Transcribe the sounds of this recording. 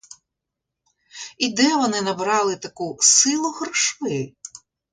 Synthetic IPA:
id̪ɛʋɔnɪnɐbɾɑlˠɪt̪ɐkusɪlˠʊhɾɔʃʋɪ

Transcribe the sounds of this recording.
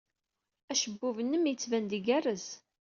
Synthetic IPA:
æʃəbːuvənːəmjət͡sːvænd̪iɡærəz

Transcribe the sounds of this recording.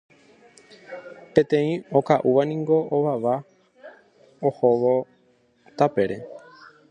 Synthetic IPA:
pẽ̞t̪ẽ̞ĩo̞kaʔuʋanĩŋɡo̞ʔoʋaʋa | ohoʋo | t̪ape̞ɾe̞

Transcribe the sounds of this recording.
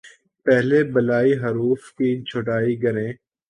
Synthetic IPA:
pɛɦlebɐlaːiɦɐɾuːfkiːt͡ʃʰʊʈaːiɡɐɾẽː

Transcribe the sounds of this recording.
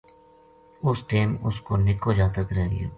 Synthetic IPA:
ʊsʈeːmʊskoːnɪkod͡ʒaːt̪ək̪ɾɛɦḛː

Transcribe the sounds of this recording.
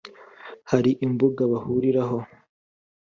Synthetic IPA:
haɾiʔimbuɡaβahuɾiɾaɦo̞

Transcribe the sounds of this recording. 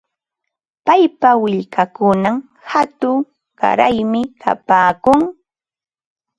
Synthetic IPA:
pajpawɪʎkakʊnam | hat̪ʊ | ɢa̰ɾajmɪkʰa̰paːkʊŋ

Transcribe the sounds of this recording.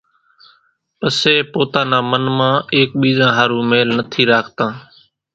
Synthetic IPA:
pəseːpoːt̪ãːnãːmənmãːeːk̚ɓiːzãːɦaːɾuːmeːlnət̪ʰiːɾaːkʰt̪ãː

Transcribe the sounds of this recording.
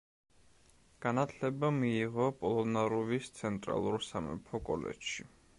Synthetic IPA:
ɡ̥anat̪ʰlɛbamiːʁɔpʼɔlˠɔnaɾuvist̪sʰɛnt̪ʼɾa̰lˠuɾsamɛ̰pʰɔkʼɔ̰lɛ̰t͡ʃʃi

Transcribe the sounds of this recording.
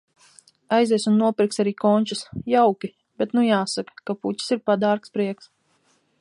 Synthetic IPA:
ajzɛjsunːuɔpʲiɾksaɾiːkɔnʲt͡ʃusjawkʲi | b̥et̪nujaːsakḁkapucʲi̥siɾpad̪aːɾkspɾiɛks

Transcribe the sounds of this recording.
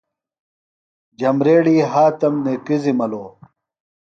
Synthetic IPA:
d͡ʑɐmɾeːɽiːɦaːt̪ɐmnekizimɐloː

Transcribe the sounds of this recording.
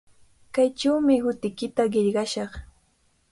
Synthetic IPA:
kajt͡ʃawmɪhʊt̪ɪkɪt̪aɢeʎɢɑʃɑχ

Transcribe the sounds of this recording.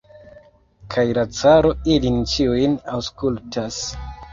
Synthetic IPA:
kʰajlat͡saɾo̞ilint͡ʃiujnawskultʰas

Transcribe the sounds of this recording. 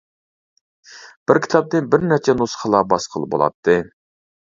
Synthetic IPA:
b̥ɪɾkʰʲi̥t̪ʰɑp̚nɨnbɪɾnæt͡ʃʰɛnusχəlˠɑbɑsqʰəlˠbo̰lˠɑ̰t̪ʰːɨ

